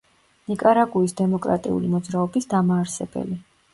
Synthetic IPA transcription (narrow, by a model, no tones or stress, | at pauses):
nikʼaɾaɡuisd̪ɛmɔkʼɾa̰t̪ʼḭṵlimɔd̪zɾaɔbisd̪amaːɾsɛbɛ̰li